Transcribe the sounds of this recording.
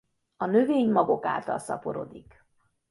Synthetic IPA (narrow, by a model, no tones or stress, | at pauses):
ɒnø̞veːɲmɒɡo̞ka̰ːlt̪ɒlsɒ̰po̞ɾo̰d̪ik